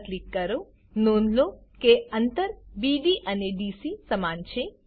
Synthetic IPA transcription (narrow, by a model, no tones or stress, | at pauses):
t̪likːɐɾo | noːnlokeɐnt̪əɾbiɖiʔɐneɖisisɐmaːnt͡ʃʰe